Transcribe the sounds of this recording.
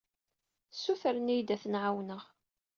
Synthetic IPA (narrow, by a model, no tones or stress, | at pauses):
sufəɾənijd̪æθənʕawnəʁ